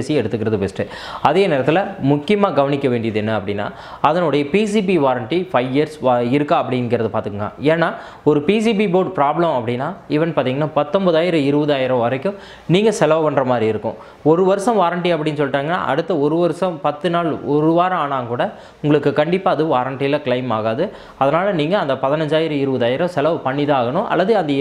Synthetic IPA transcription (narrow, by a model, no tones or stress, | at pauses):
siɛɽɯt̪ːɯkːɪɾɐðɯpesʈɯ | ɐðeːneːɾɐt̪ːɪlɐmʊkːɪjɐmaːɡɐʋɐnɪkʲːɐʋeːɳɖɪjɐðɯɛnːɐɐpːɐɽɪnːa̰ː | ɐðɐnɔɽɐjɐpis̬iːbiʋaːɾɐɳʈifɐɪʋɪjɐɾsɪɾɯkːãɐpːɐɽɪnɡɪɾɐðɯpaːɾt̪ɯkːɯŋɡɐ̰eːnːaː | ɔɾɯpis̬iːbiboːɖ̚pɾaːblɐmɐpːɐɽɪnːaːɪʋɐnpaːɾt̪iːŋɡɐnːaːpɐt̪ːɔmbɐðaːjɪɾɐ̃ɪɾɯbɐðaːjɪɾɐ̃ʋɐɾɐkːʊ̃ | niːŋɡɐsɛlɐʋɐʋɐɳɖɾɐmaːd̪ɾiɪɾɯkːʊ̰̃ | ɔɾɯʋɐɾɯsɐ̃ʋaːɾɐɳʈiɐpːɐɽɪnːɯsɔlːʈːaːŋɡɐnːa̰ːʔɐ̰ɽɯt̪ːɐɔɾɯʋɐɾɯsɐ̃mpɐt̪ːɯnaːlɔɾɯʋaːɾaːnaːŋkuːɽɐ | ʊŋɡɐɭɯkːɯkɐɳɖɪpːaːɐðɯʋaːɾɐɳʈilakɪɭɐɪmaːɣaːðɯ | ɐðɐnaːlɐniːŋɡɐːnd̪ɐpɐðɪnɐɲd͡ʒaːjɪɾɐ̃ɪɾɯʋɐðaːjɪɾɐ̃sɛlɐʋɐpɐɳːɪðɐaːɣɐɳʊ̃ʔɐ̰lːɐðɯɐnd̪ɐ